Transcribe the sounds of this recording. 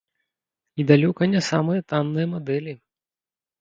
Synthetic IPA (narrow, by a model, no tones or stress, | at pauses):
nʲid̪alʲɔkɐnʲɛsamɨjɐt̪anːɨjɐmad̪ɛlʲi